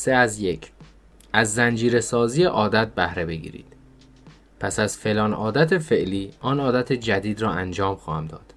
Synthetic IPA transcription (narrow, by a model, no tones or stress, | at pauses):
seæzje̞cʰ | ʔæzːænd͡ʒiːɾe̞sɒːzijeʔɒːd̪æt̪̚bæhɾe̞be̞ɡḭːɾḭːd̪̥ | pʰæsæz̥fe̞lɒːnʔɒːd̪æt̪ʰe̞fe̞ʔliːʔɒːnɒːd̪æt̪ʰed͡ʒæd̪iːd̪ɾɒːænd͡ʒɒːmxɒːhæmd̪ɒ̰ːd̪̥